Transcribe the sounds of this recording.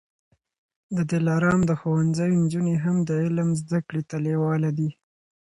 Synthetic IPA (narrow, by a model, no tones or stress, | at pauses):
d̪əd̪ɪlɑɾɑmd̪əxowanzəjond͡ʒuneɦamd̪əɪlmzd̪akɽet̪alewɑlad̪i